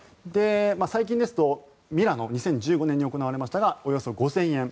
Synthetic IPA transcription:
d̪e̞masaik̬ʲĩnd̪e̞sɨ̥t̪o̞ | mʲiɾano̞ɲ̟isẽ̞ɲ̟d͡ʑɨːɡo̞nẽɲ̟ːio̞ko̞naβaɾe̞maɕi̥t̪aɡao̞jo̞so̞ɡo̞zẽ̞ɰ̃ẽ̞ɴ

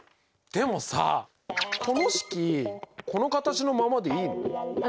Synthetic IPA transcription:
d̪̥e̞mo̞sa̰ | kʰo̞no̞ɕi̥kʲiko̞no̞kat̪at͡ɕino̞mamad̪e̞iːno

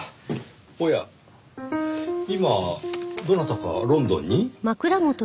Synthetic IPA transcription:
oja̰ | imad̪o̞nat̪aka̰ɾõ̞nd̪õ̞̰ɲ̟ːimakɯ̟ɾamot̪o

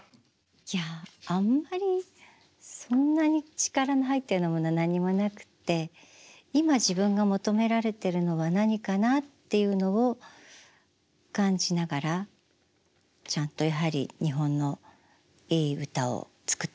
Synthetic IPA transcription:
jaamːaɾʲi | sõ̞nːaɲ̟it͡ɕi̥kaɾaniɦait̪ːe̞ɯnomo̞nanaɲ̟imo̞nakɯ̟̥t̪ːe̞ | imaʑibɯ̟̃ŋɡamo̞t̪o̞me̞ɾaɾe̞t̪e̞ɾɯ̟no̞βanaɲ̟ikanat̪ːe̞jɯ̟no̞o | kãɲ̟d͡ʑinaɡaɾa | t͡ɕãnt̪o̞jaɦaɾʲḭɲ̟iɦõ̞nːo̞ | iːɯt̪ao̰t͡sɨ̥kɯ̟̥t̪ː

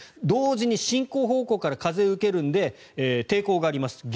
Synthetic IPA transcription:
d̪o̞ːʑiɲ̟iɕĩŋko̞ːɦo̞ːko̞ːkaɾakaze̞ɯ̟ke̞ɾɯ̟̃nd̪e̞ | t̪e̞ːko̞ːɡaːɾʲimasɨ̥ɡ

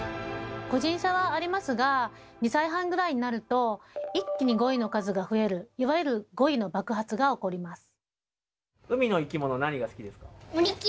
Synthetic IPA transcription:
ko̞ʑĩɰ̃ɕaβaːɾʲimasɨɡa | ɲ̟isaiɦãŋɡɯ̟ɾaiɲ̟inaɾɯ̟t̪o̞ikʲːiɲ̟iɡo̞ino̞kazɨɡaɸɯ̟e̞ɾɯ̟iβajɯɾɯ̟ɡo̞ino̞bakɯ̟ɦat͡sɨɡao̞ko̞ɾʲimasɨ̥ | ɯ̟mʲino̞ikʲimo̞nonaɲ̟iɡasɨ̥kʲid̪e̞sɨ̥ka

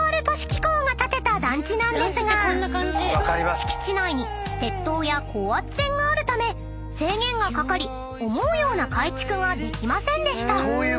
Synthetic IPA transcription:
aɾɯ̟t̪oɕi̥kʲi̥koːŋat̪at̪e̞t̪ad̪ãɲd͡ʑinãnd̪e̞sɨɡaõnːakãɲd͡ʑiɾiɕi̥kʲi̥t͡ɕinaiɲ̟i | t̪e̞t̪ːo̞ːjakʰo̞ːat͡sɨ̥sẽ̞ŋɡaːɾɯ̟t̪ame̞ | se̞ːŋẽ̞ŋɡakakaɾʲi | o̞mo̞ɯjo̞ːnakait͡ɕi̥kɯ̟ɡad̪e̞kʲimasẽ̞nd̪e̞ɕi̥t̪a

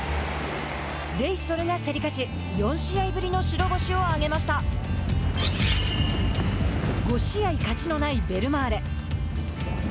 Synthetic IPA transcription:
ɾe̞iso̞ɾɯ̟ɡase̞ɾʲikat͡ɕi | jõ̞ɰ̃ɕiaibɯ̟ɾʲino̞ɕiɾo̞ɡo̞ɕio̞aɡe̞maɕi̥t̪a | ɡo̞ɕiaikat͡ɕino̞naibe̞ɾɯ̟maːɾe̞

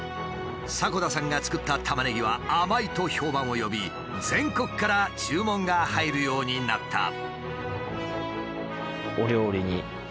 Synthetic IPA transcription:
sako̞d̪asãŋɡat͡sɨ̥kɯ̟t̪ːat̪ʰamane̞ɡʲiβaːmait̪o̞ço̞ːbãɰ̃o̞jo̞bʲi | d͡zẽ̞ŋko̞kɯ̥kaɾat͡ɕɨːmõ̞ŋɡahaiɾɯ̟jo̞ːɲ̟inat̪ʰːa̰ | oɾʲjo̞ːɾʲiɲ̟i

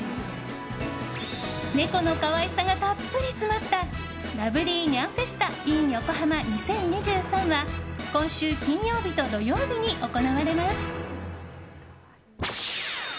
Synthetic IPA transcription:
ne̞ko̞no̞kaβaisaŋɡat̪apːɯ̟ɾʲit͡sɨmat̪ːa | ɾabɯ̟ɾʲiːɲãɰ̃ɸe̞sɨ̥t̪aĩɰ̃jo̞ko̞ɦamaɲisẽ̞ɲɲiʑɨːsãɰ̃βakõ̞ɰ̃ɕɨːkʲĩɰ̃jo̞ːbʲit̪o̞d̪o̞jo̞ːbʲiɲ̟iʔo̞ko̞naβaɾe̞masɨ̥

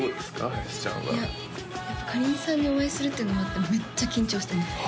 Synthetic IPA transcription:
oːd̪esɨ̥ka̰i̥t͡ɕã̰ɡa̰ja | japːakʰaɾʲĩnsãɲ̟ːio̞βaisɨɾɯ̟t̪ːeɯ̟nomat̪ːeme̞t͡ɕt͡ɕːakʲĩɲ̟t͡ɕo̞ːɕit̪end̪es

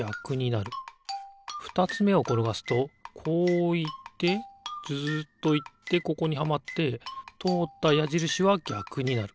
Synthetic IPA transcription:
akɯ̟ɲ̟inaɾɯ̟ | ɸɯ̟̥t̪at͡sɨme̞o̞ko̞ɾo̞ɡasɨ̥t̪o̞kʰo̞ːit̪ːe̞d͡zɨːt̪ːo̞it̪ːe̞ko̞ko̞ɲ̟ihamat̪ːe̞t̪o̞ːt̪ːajaʑiɾɯ̟ɕiβaɡʲakɯ̟ɲ̟inaɾɯ̟

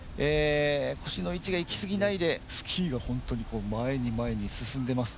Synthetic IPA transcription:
eːkʰo̞ɕino̞it͡ɕiɡaikʲi̥sɨɡʲinaid̪e̞sɨ̥kʲʰiːɡahõ̞nt̪o̞ɲ̟iko̞ːmae̞ɲ̟imae̞ɲ̟isɨsɨ̃nd̪e̞masɨ̥

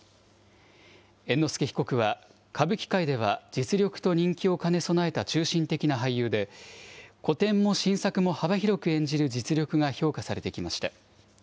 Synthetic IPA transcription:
e̞nːo̞sɨ̥keçi̥ko̞kɯ̟βa | kʰabɯ̟kʲi̥kaid̪e̞β̞ad͡ʑit͡sɨɾʲo̞kɯ̥t̪o̞ɲ̟ĩŋkʲio̞kane̞so̞nae̞t̪at͡ɕɨːɕĩnt̪e̞kʲinaɦaijːɯ̟ːd̪e̞ | ko̞t̪ẽ̞mːo̞ɕĩɰ̃sakɯ̟mo̞habaçiɾo̞kɯ̟ẽ̞ɲ̟d͡ʑiɾɯ̟d͡ʑit͡sɨɾʲjo̞kɯ̟ɡaço̞ːkasaɾe̞t̪e̞kʲimaɕi̥t̪a

